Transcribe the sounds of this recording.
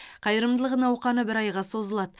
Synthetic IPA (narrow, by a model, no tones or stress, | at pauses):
qʰɑjəɾəmd̪əlˠəʁənɑwqɑnəbɪɾɑjʁɑso̞zəlˠɑd̪ə